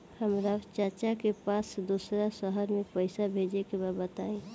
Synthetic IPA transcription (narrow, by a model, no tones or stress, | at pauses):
həmɾat͡ʃəɾt͡ʃakepasd̪usɾasəɦəɾmẽpəɪsabʱed͡ʒekebabət̪aẽ